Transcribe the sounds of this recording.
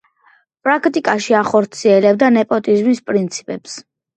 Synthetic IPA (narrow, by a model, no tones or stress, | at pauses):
pʼɾakʰt̪ʼikʼaʃiaχɔɾt̪sʰiɛlɛbd̪anɛpʼɔt̪ʼizmispʼɾint̪sʰi̥pʼɛps